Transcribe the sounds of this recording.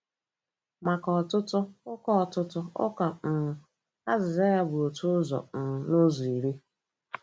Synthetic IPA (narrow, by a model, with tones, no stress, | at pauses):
ma˨kɔ˨tʊ˦tʊ˦ʊ˦kɔ˦ɔ˨tʊ˦tʊ˦ʊ̰˦ka˨m̩˨mʊ˨ | a˦zɪ˨za˦ja˦bʊ˨o˨tʰʊ˦ʊ˦zɔ̰˨n̩˨nʊ˦zɔ˨i˨ɾi˦